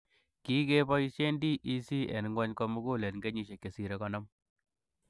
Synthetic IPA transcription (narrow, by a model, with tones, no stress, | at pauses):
ki˦ke˦bɔ˦i˦ʃe˦ndi˦ʔi˦si˦ḛ˨n˨ŋɡɔ˦ɲkɔ˦mu˦ɡu˦le˨nŋɡe˦ɲi˦ʃe˨kːe˨si˨ɾe˦kɔ˨nɔ˦m